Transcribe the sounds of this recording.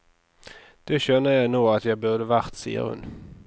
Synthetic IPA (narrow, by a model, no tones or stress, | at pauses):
d̪̥ɛɕœnːəjæɪnuːɡat̪jæɡbœʁd̪əvæʁt̪sḭːə̰ɾhʉ̰n